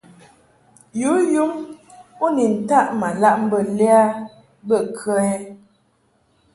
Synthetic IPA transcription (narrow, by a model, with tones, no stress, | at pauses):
ju˨˦ju˦ŋu˦ni˨n̩˨ta˦˨ʔma˨la˦ʔm̩˦bə˨lɛ˦a˦ | bə˦˨kʰə˦ɛ˦